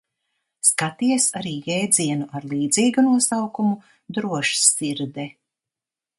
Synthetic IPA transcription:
skat̪iɛsaɾiːjɛːd̪ziɛnuʔaɾlˠiːd̪ziːɡunuɔsawkumu | d̪ɾuɔʃsiɾd̪ɛ

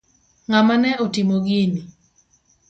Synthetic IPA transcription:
ŋamanɛotimoɡini

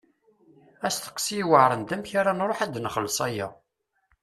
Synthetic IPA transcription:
æst̪ə̥qːsiwəʕɾˤənd̪æmçaɾanɾˤoħæd̪nəχəlːsˤæjæ

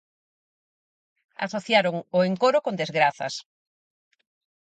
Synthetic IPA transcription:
a̰soθjaɾoŋʊeŋkoɾʊkõnd̪ezɣɾaθɐ̰s

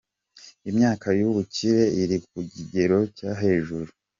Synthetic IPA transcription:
imɲaːkajuβuciɾe̞iɾik̚uɟiɟe̞ɾo̞caɦe̞ːʒuɾu

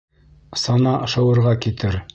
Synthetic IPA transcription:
sɑnɑʔɤ̆ʃɤ̆wɤ̆ɾʁɑkit̪ɘɾ

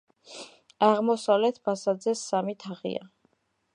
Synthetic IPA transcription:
aʁmɔsavlɛt̪ʰbasad̪zɛsːamit̪ʰaʁḭa̰

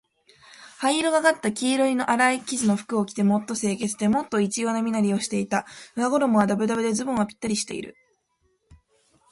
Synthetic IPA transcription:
haiɾɯɡaɡat̪ːakʲiːɾoino̞ʔaɾaikʲiʑɨno̞ɸɯ̟̥kɯ̟o̞kʲi̥t̪e̞mo̞t̪ːo̞se̞ːke̞t͡sɨ̥d̪e̞mo̞t̪ːo̞it͡ɕijo̞ːnamʲinaɾʲio̞ɕi̥t̪e̞it̪aɯ̟naɡo̞ɾo̞moβad̪abɯ̟d̪abɯ̟d̪e̞zɨbɯ̃ɰ̃apʲi̥t̪ːaɾʲiɕi̥t̪e̞̰ḭɾɯ̟̰

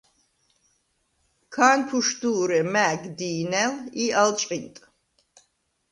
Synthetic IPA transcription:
kʰaːnpʰuʃd̪uːɾɛmæɡd̪iːnɛlialt͡ʃʼqʼint̪ʼ

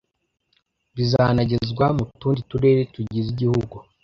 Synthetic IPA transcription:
βizaːnaɟe̞zɡwamutuːndituɾe̞ːɾetuɟiziɟihuɡu

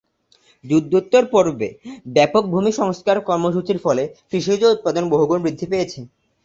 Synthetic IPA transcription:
d͡ʑud̪ʱːot̪ːoɾpoɾbḛbɛpok̚bʱumiʃɔŋskaɾkɔɾmoʃ̬ut͡ɕiɾfɔlekɾiʃod͡ʑout̪̚pad̪onboɦuɡonbɾid̪ʱːipejet͡ɕʰe

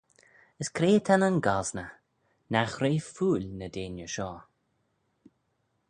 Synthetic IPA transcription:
əskʰɾeːt̪ʰanənɡaznə | naxɾeːfuːlʲnəd̪eːnjəʃɔː

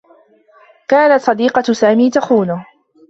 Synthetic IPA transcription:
kaːnat̪sˤɑd̪iːqɑsaːmiːt̪axuːna

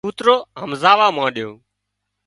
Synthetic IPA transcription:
uːt̪ɾoːɦəmzaːʋaːmãːɗjoː

